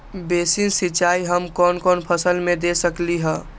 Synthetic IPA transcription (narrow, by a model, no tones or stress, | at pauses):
besinsit͡ʃaiɦəmkɔnkɔnpʰəsəlmed̪esəkliɦə